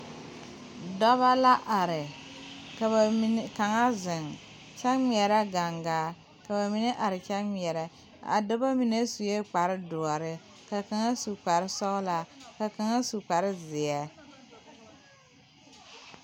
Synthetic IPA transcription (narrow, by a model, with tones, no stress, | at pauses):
dɔ˦βa˦la˦ʔa˨ɾɪ˨ | ka˨ba˨mi˦n˦ka˨ŋa˦zɪ˨ŋ | t͡ʃɛ˦kmi˨ɛ˨ɾɛ˦ɡa˨ŋɡaː˨˦ | ka˨ba˨mi˨˦ne˦ʔa˨ɾɪ˨t͡ʃɛ˦mi˨ɛ˨ɾɛ˨ | a̰˨dʊ˦ba˦mi˨ne˦su˨je˦k͡pa˨ɾɪ˦dʊ˨ɔ˨ɾɪ˦ | ka˨ka˨ŋa˦su˨k͡pa˨ɾɪ˦sɔ˦ɣla˨ka˨ka˨ŋa˦su˨k͡pa˨ɾɪ˦zɪ˨ɛ˦